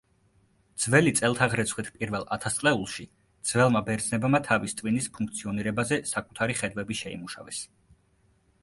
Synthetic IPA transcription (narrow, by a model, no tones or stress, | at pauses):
d̪z̥vɛlit̪sʼɛlˠt̪ʰaʁɾɛt̪sʰχwit̪ʰpʼiɾvɛlˠat̪ʰast̪sʼlɛulˠʃi | d̪̥z̥vɛlˠmabɛɾd̪znɛbmat̪ʰavist̪ʼvinispʰuŋkʰt̪sʰiɔniɾɛbazɛsakʼut̪ʰaɾiχɛd̪vwɛbiʃɛḭmuʃa̰vɛs